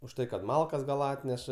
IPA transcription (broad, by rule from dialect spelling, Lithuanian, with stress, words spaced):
ʊʃ ˈtɐɪ kɐt ˈmɐlˠkɐs ɡɐlˠ ˈɑːtʲnʲɛʃɐ